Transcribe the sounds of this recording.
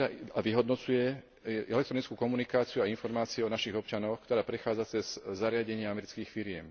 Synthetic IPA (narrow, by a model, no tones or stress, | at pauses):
aaʋiɦɔd̪nɔt͡sujɛ | ʔɛlɛk̚t̪ɾɔnit͡skuːkɔmunikaːt͡siuainfɔɾmaːt͡siuɔnaʃiɣɔpt͡ʃanɔxkt̪ɔɾaːpɾɛxaːd͡zat͡sɛz̥ːaɾɪaɟɛɲɪaamɛɾit͡skiːxfiɾɪɛm